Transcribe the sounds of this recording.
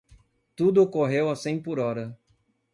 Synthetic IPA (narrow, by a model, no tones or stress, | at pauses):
t̪ud̪ʊokoɦewasĩj̃poɾɔɾɐ